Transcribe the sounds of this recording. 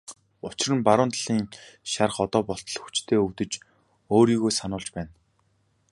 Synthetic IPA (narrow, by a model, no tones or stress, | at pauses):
ʊt͡ɕɪ̆rə̆mpaɾʊːnt̪ɮ̥iːŋʃar̆χɔt̪ɔːpɔɬt̪̆ɮ̆xu̥t͡ɕt̪ʰeːɵwt̪ɘ̆t͡ɕ | oːɾiːɣoːsanʊːɮt͡ɕpæːn